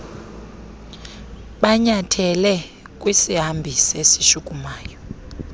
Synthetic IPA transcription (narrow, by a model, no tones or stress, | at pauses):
ɓaɲatʰɛlɛ | k̬ʼwisiɦambʱisesiʃukʼumaːjɔ